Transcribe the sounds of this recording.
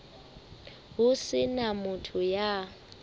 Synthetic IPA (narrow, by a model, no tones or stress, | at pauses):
ɦʊsɪnamʊtʰʊja